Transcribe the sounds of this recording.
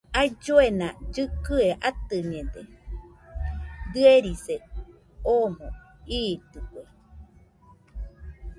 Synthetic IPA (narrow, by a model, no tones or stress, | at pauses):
ajd͡ʒoenãd͡ʒɨkɯeʔat̪ɨɲẽd̪e | d̪ɨeɾise | omõiːt̪ɨkʷe